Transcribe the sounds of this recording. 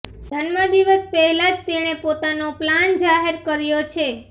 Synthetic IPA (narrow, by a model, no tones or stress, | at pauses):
d̪ʱənmãd̪iʋəspɛɦɛlad͡ʒt̪eɽ̃epot̪anopland͡ʒaɦeɾkəɾjot͡ʃʰe